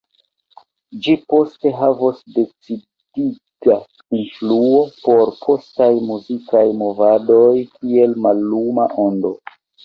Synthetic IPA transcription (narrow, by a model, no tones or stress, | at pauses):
d͡ʒipo̞ste̞ɦavosde̞t͡si | d̥ita | influo̞po̞ɾpʰo̞stajmuzikajmovado̞jkie̞lmalːumaʔo̞ndo̞